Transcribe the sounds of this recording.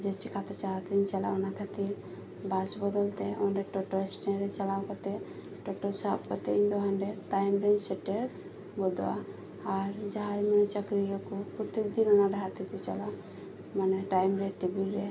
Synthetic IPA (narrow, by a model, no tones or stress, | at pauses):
d͡ʒɛt͡ʃʰikʰat̪ɛt͡ʃalat̪iɲt͡ʃala̰ɔnakʰat̪iɾ | basbɔd̪ɔlt̪ɛɔnɾɛʈɔʈɔɛsʈɛɾɛt͡ʃalawkɔt̪ɛ | ʈɔʈɔsapkɔt̪ɛĩnd̪ɔɦanɾɛtajmɾɛnsɛʈɛɾ | bɔd̪ɔa̰ː | ɾd͡ʒaɦajmɛnɔt͡ʃakɾijɔkɔkɔt̪ek̚d̪inɔnaɾɛɦat̪ikut͡ʃa̰la | manɛʈajmɾɛt̪ɛbiɾɾɛ